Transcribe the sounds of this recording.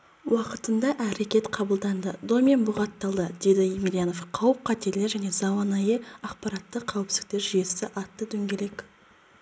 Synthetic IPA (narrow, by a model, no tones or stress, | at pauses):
wɑqət̪ənd̪ɑʔæɾe̞kʲe̞t̪qʰɑbəlˠd̪ɑnd̪əd̪omʲenbʊʁɑt̪ːɑlˠd̪əd̪̥e̞d̪ɪemʲiɾʲijano̞fqʰɑwəp̚qʰɑt̪e̞ɾlɪʒæne̞zɑwɑnɑjəɑqpɑɾɑt̪ːəqʰæwɪpsɪ̥k̚t̪eɾʒijesɪʔɑt̪ːəd̪ɵŋɡʲe̞le̞k